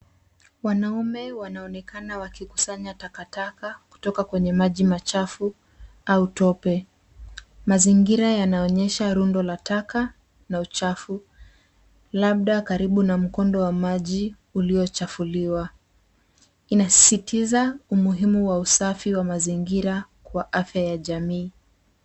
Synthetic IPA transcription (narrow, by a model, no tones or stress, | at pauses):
wanaumɛwanaɔnɛkanawakiku̥saɲatakatakaku̥tɔkakwɛɲɛmaʄimat͡ʃafu | autɔpɛ | maziŋɡiɾajanaɔɲɛʃaɾundɔlataka | naut͡ʃafu | laɓ̚ɗakaɾiɓunam̩kɔndɔwamaʄi | uliɔt͡ʃafuliwa | inasi̥sitʰizaumuɦimuwausafiwamaziŋɡiɾa | kwaʔafjajaʄamiː